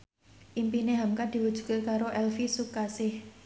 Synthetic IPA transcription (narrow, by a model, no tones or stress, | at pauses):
ʔimpineɦamkad̪̥i̤wud̥ʒ̥ṳ̥kekaɾoʔɛlfisukasɪh